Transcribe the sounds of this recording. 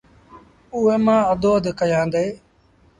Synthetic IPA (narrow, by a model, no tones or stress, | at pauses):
ʊeːmãːəd̪oːd̪kəjãːnd̪eː